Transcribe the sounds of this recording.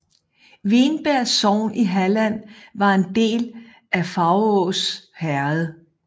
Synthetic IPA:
ʋe̝nb̥æɐ̰sɒʊ̰niɦælæn̰ʋɑ̈e̝nd̥e̝̰ːl | æfɑ̈ʊɔːshæɐð̩ˠ

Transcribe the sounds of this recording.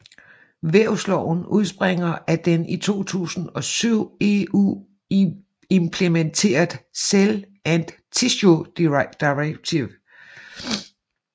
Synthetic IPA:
ʋeɐʊslɒʊn̩uðˠsb̥ʁeŋ̰ɐʔæd̥enit͡sʰo̝̰ːt͡sʰṵːsn̩ɒ̽syʊ̰e̝ṵː | empʰlement͡sʰe̝̰ːɐðˠsel | ænd̥ | t͡sʰiɕod̥id̥iʁeɡ̥̚t͡sʰiʋ

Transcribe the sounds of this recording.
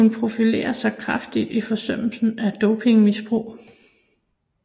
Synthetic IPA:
unpʰʁo̝file̝̰ːɐsɑ̈ɪkʰʁɑ̈fd̥id̥ifɒ̽sœm̰l̩sn̩æd̥ɔʊpʰe̝ŋmisb̥ʁṵː

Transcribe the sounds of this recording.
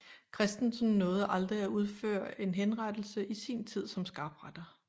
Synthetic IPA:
kʰʁɛsd̥n̩sn̩ːɔ̽ːð̞̩ˠʔɑ̈ld̥ʁiæuð̞ˠfø̰ɐ̰e̝nɦenʁad̥l̩səʔisint͡sʰið̞̰ˠsɒ̽msɡ̥ɑ̈ːb̥ʁad̥ɐ

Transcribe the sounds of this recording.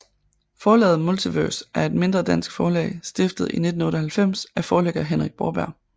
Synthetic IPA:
fɒːlɛ̰ːð̩ˠmolt͡sʰiʋøɐsʔæɐe̝d̥me̝nd̥ʁɐd̥æn̰sɡ̥fɒːlɛ̰ɪsd̥e̝fd̥ð̩ˠine̝d̥n̩ɔ̽ːɾɐɦælfem̰sʔæfɒːleɡ̥ɐɦenʁaɡ̥̚b̥ɒːb̥æɐ̰

